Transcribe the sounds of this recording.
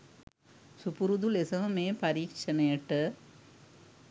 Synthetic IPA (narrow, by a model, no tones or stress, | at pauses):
supuɾuðulesɐʋɐmeːpɐɾiːkt͡ʃɐnɐjɐʈːɐ